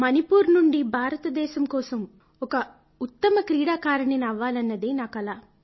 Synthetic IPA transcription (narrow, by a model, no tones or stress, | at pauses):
mɐnipuːɾnuɳɖibʱaːɾɐt̪ɐd̪ɛːʃɐmkɔːsɐm | ɔkɐ | ut̪ːɐmɐkɾiːɽaːkaːɾɐɳinɐʋːaːlɐnːɐd̪iːnaːkɐlaː